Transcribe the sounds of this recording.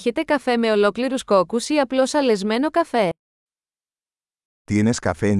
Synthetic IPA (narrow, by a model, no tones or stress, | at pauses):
çet̪e̞kɐfe̞me̞o̞lo̞kliɾusko̞kusiɐplo̞sɐle̞zme̞no̞kɐfe̞ | t̪ieneskɐ̰fe